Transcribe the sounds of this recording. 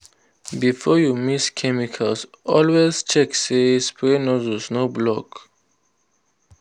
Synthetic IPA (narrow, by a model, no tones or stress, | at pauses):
bifɔjumiskʰɛmikʰals | ɔlwezt͡ʃʰɛksespʰɹenozusnoblɔk